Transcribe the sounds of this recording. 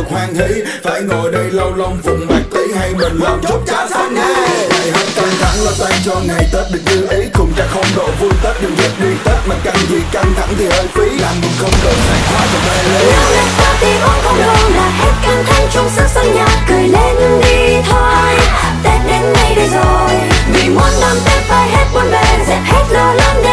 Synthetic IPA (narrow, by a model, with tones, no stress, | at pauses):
k̚hwaː˧ŋhi˧˥ | faː˧˩jŋo˨˩jɗə˧jlə˧wlə˧wŋ͡mvʊ˨˩ŋ͡mma˨˩k̚t̪i˨˦ha˧jɓə˨˩ŋlɔ̰˨˩ŋ͡mt͡ɕʊ˦˥p̚t͡ɕaː˨˦sa˨˦˥naː˨˩na˨˩jhə˨˦˥t̚t̪a˧ŋt̪ʰa˧˦ŋlɔ˧˩t̪a˧jt͡ɕɔ˧ŋa˨˩jt̪ə˦˥t̚ɗɨ˨˩ək̚zɨ˧ʔi˨˦kʊ˨˩ŋ͡mzaː˧˥xə˧wŋ͡mɗo̰˧˨˩vu˧jt̪ə˦˥t̚ɗɨ˨˩ək̚zə˦˥t̚ɗi˧t̪əː˦˥t̚maː˨˩ka˧˩ŋzḭ˨˩ka˧nt̪ʰa̰˧˥ŋt̪ʰi˨˩ʔəː˧jk̪i˨˦laː˨˩mmu˨˩nxə˧wŋ͡mkə˨˩zaː˨˩jxwaː˨˦vaː˨˩vaː˧˩lə˨˧˦a˨˧a˨˩saː˨˧˦t̪i˧vɔ˧˦nkɔ˧lo˧˩nlaː˨˩hɛ˦˥t̚kə˧t̪ʰa˧ŋt͡ɕʊ˧ŋ͡msə˧sə˧ŋɲa˨˩tkɨ˨˩əjle˧nɗi˧t̪ʰo˧ | t̪e˨˧ne˧nːa˧˩jɗi˧zo˨˩jvi˧˨˩kwaː˧nt̪ə˧mt̪ɛ˨˧˥faː˨˩jhɛ˦˥t̚ɓɔ˧nɓe˨˩zɛ˨˧˩p̚hɛ˦˥t̚ləː˧lə˧n˧